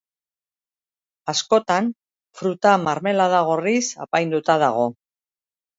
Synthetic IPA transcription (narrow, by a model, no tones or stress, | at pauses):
asko̞t̪an | fɾut̪amaɾme̞laðaɣ̞orisa̰pajnd̪ut̪að̞aɣ̞o̞